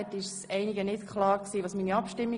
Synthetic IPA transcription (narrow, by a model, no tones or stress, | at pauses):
ɛtɪʃsɛɪniɡənɪtkʰχlɑːɾksiːʋɑːsmiːniɑpʃtɪmːi